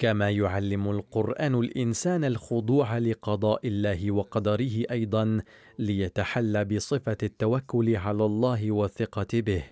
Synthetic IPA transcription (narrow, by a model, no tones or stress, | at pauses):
kamaːjʊʕalːɪmʊlqʊɾʔaːnʊlʔɪnsaːnalxʊd̪ˤuːʕalɪqɑd̪ˤɑːʔɪlːaːhɪwɑqɑd̪ɑɾɪɦɪʔɑjd̪ˤɑn | lɪjat̪aħalːabɪsˤɨfat̪ːawakːʊlɪʕalaːlˤːɑːɦɪwaθːɪqɑbɪh